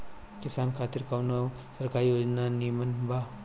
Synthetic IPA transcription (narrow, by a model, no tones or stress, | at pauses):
kɪsaːnkʰaːt̪iɾkɐʋnɐ | sɐɾkaːɾijod͡ʒnanimɐnbʱa